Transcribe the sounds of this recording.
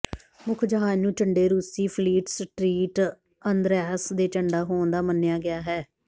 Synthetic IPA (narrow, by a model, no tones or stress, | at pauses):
mʊkʰd͡ʒəɦaːnũːt͡ʃəɳɖeːɾuːsiːpʰliːʈsʈɾiːʈ | ənd̪ɾɛːsd̪eːt͡ʃəɳɖaːɦoːnd̪aːmənːɪjaːɡɪaːɦɛː